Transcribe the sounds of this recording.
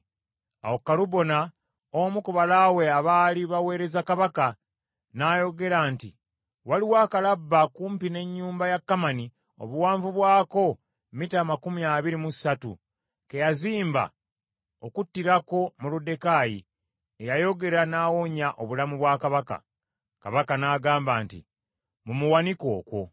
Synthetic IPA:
a̰wokːaluβo̞na | omukuβalawe̞aβaːliβawe̞ːɾe̞zakaβaka | naːjo̞ɡe̞ɾaːnti | waliwaːkalabːakuːmpine̞ɲːuːmbajakːamani | o̞̰βuwaːɱvuβwaːko̞ | mitaːmakumiaβiɾimusatṵ | ke̞jaziːmba̰ | o̞kutːiɾako̞mulude̞kaːjḭ | ejajo̞ɡe̞ɾanaːwo̞ɲaʔo̞βulamuβwaːkaβaka̰ | ka̰βakanaːɡaːmbaːntḭ | mumuwaniko̞̰ːkwo̞

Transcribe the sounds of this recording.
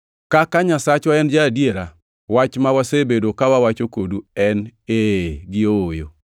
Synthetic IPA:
kakaɲasat͡ʃwaɛnd͡ʒaːdjeɾa | wat͡ʃmawasebedokawawat͡ʃokoduɛneɡɪoojo̰

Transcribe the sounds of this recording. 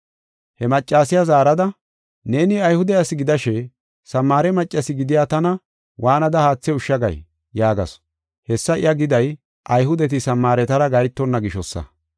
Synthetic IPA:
hɛmɐt͡ʃʼːaːsɪjazaːɾɐd̪ɐ | ne̞ːnɪɐjhʊd̪ɛɐsɪɡɪd̪ɐʃɛ | sɐmːaːɾɛmɐt͡ʃʼːɐsɪɡɪd̪ɪjaːt̪ɐnɐ | wʔaːnɐd̪ɐhaːt͡sːɛʊʃːɐɡɐ̰j | jaːɡɐ̰s | hɛsːɐɪ̰jɐɡɪd̪ɐj | ʔɐjɦʊd̪ɛt̪ɪsɐmːaːɾɛt̪ɐɾɐɡɐjt̪ːɔnːɐɡɪʃɔsːɐ̰

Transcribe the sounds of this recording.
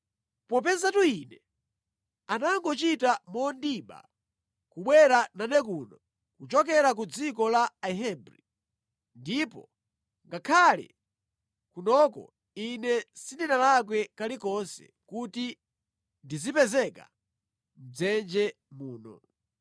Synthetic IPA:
pɔp̬ɛnzatuinɛ | anaŋɡɔt͡ʃitamɔndiɓa̰ | kuɓwɛɾananɛk̬unɔ | kut͡ʃɔk̬ɛɾak̬ud͡zik̬ɔlaaɦɛbɾi | ndipɔ̰ | ŋɡakʰalɛ̰ | kunɔkɔ̰ | inɛsindinalak̬wɛkalikɔnsɛ̰kuti | ndizipɛzɛka̰ | m̩d͡zɛnd͡ʒɛ | muːnɔ̰

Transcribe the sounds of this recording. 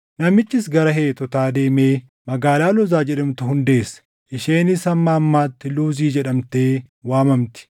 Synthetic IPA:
nɐmɪt͡ʃːɪsɡɐɾɐɦe̞ːt̪ɔt̪aːd̪e̞ːme̞ː | mɐɡaːlaːlɔzaːd͡ʒɛɗɐmt̪ʊhʊnd̪e̞ːsːɐ̥ | ʔɪʃeːnɪsɐmːaːmːaːt̪ːɪluːziːd͡ʒɛᶑɐmt̪e̞ː | waːmɐmt̪ɪ̥

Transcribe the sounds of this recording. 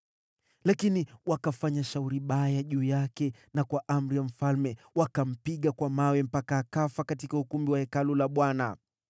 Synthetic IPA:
lakiniwakafaɲaʃauɾiɓajaʄuːjakɛnakwaʔam̩ɾijam̩falmɛ | wakam̩piɠakwamawɛm̩pakaːkafakatikaukumbiwahɛkalulaɓwana

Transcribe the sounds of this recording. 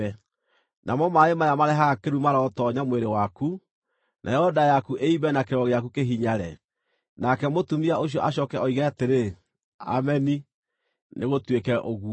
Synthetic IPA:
ɛ | nʔamɔmaemajamaɾɛɦakeɾumaɾaɔtɔɲamweɾewaku | nʔa̰jɛɔdajakuʔeiβɛnakeɾɔɣeakukeɦiɲaɾɛ | nakɛmotumiaoɕ̬ijɔʔaɕ̬ɔkɛɔiɣaateɾe | a̰mɛni | neɣotwekɛʔoɣu

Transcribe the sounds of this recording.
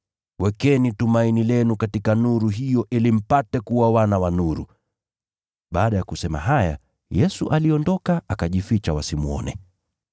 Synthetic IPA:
wɛkɛnitumainilɛnukatikanuɾuɦijɔʔilim̩patɛkuwawanawanuɾṵ | ɓaːɗajakusɛma̰ɦaja̰ | jɛsuʔaliɔndɔkaakaʄifit͡ʃawasimuɔ̰nɛ̰

